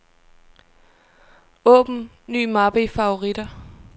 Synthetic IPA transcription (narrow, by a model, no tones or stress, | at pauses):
ɔ̰̽ːb̥n̩ | nːy̰ːmɑ̈b̥əifɑ̈o̝ʁid̥ɐ